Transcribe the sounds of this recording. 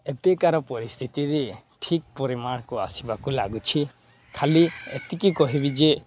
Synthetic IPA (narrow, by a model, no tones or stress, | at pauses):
epekaɾɔpɔɾist̪ʰit̪iɾe | ʈʰik̚pɔɾimaɽkua̰sibakula̰ɡut͡ʃʰi | kʰaliḛt̪ikikɔɦibid͡ʒe